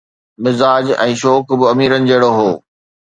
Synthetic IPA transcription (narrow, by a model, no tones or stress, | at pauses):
mɪzaːd͡ʑɛ̃ːʃɔːkbɪɐmiːɾənɪ̆d͡ʑɐːɽoɦoː